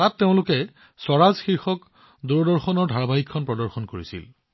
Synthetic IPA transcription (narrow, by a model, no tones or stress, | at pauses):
tatːeʊ̃lʊkɛ | sɔɹazxiɹxɔk | duɹɔdɔɹxɔnɔɹdʱaɹbaɦikʰːɔnpɹɔdɔɹxɔnkoɹisḭl